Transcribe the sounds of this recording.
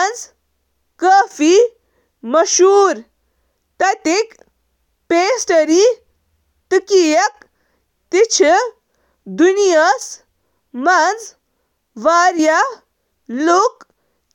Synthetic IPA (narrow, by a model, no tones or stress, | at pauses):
nd͡z | kəːfi | mɐʃuːɾ | t̪ɐt̪ik | peːsʈɐɾi | t̪ikijɐk | t̪it͡ʃʰi | d̪unijɐs | mɐnd͡z | ʋaːɾja | lok